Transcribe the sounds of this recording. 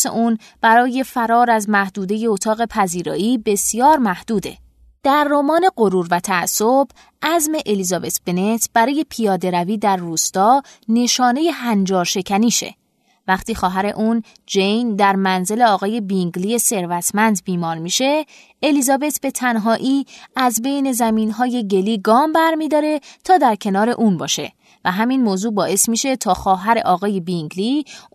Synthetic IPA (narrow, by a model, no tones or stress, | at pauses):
sḛʔuːn | b̥æɾɒːje̞fæɾɒːɾæzmæhd̪uːd̪e̞je̞ot̪ʰɒːɣe̞pʰæziːɾɒ̰ːʔiːbe̞sjɒːɾmæhd̪̥uːd̪ḛ | d̪̥æɾːomɒːne̞ɢo̞ɾuːɾvæt̪ʰææsːob | ʔæzme̞ʔelizɒbe̞t̪ʰb̥e̞ne̞t̪ʰb̥æɾɒːje̞pʰijɒːd̪e̞ɾæviːd̪æɾːuːst̪ɒːne̞ʃɒːne̞je̞ɦænd͡ʒɒːɾʃe̞cʰæniːʃḛ | væχt̪iːxɒːɦæɾe̞̰ʔuːn | d͡ʒejnd̪æɾmænze̞le̞ɒːɣɒːje̞biŋɟliːje̞se̞ɾvæt̪ʰmænd̪biːmɒːɾmiːʃe̞ | elizɒːbe̞t̪ʰb̥e̞t̪ʰænɦɒːʔiːæzbe̞jne̞zæmiːnɦɒːje̞ɟe̞liːɡɒːmbæɾmiːd̪ɒːɾe̞t̪ʰɒːd̪æɾcʰe̞nɒːɾe̞ʔuːnbɒ̰ːʃe̞̰ | væɦæminmoːzuːbɒːʔesmiːʃe̞t̪ʰɒːxɒːɦæɾe̞̰ʔɒːɣɒːje̞biŋɟli